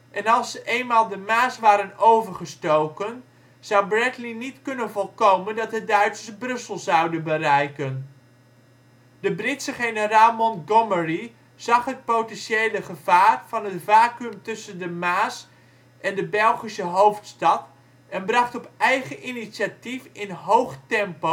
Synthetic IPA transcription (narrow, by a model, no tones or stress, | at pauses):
ʔɛnɑlˠsəʔejnmaːlˠdəmaːsʋaːɾənowvəɹχəstowkən | z̥ɑwbrɛtlinitkɵnənvɔlˠkowməndɑt̚dədœɥtsəbrɵsəlˠzɑwdənbərɛjkən | dəbrɪtsəχejnəɾaːlˠmɔnɡɔməri | z̥ɑχɦət̚powtɛnʃejləχəvaːrv̥ɑnɦətvaːkəmtɵsəndəmaːs | ʔɛndəbɛlˠχisəɦowftstɑt | ɛnbrɑχtɔpɛjχəʔiniʃatifɪnɦowχtɛmpo